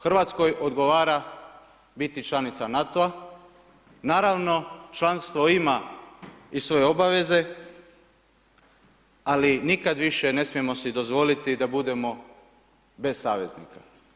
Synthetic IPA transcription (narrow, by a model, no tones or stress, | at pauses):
xr̩ʋat̪sko̞jʔo̞d̪ɡo̞ʋaːɾa | bit̪it͡ʃlˠanit̪sanat̪oa | naːɾaʋno̞t͡ʃlanst̪ʋo̞ima | isʋo̞je̞obaʋe̞ze̞ | alinikad̪ʋiʃe̞ne̞smije̞mo̞sid̪o̞zʋo̞lit̪id̪abud̪e̞mo̞ | be̞ssaːʋe̞znḭka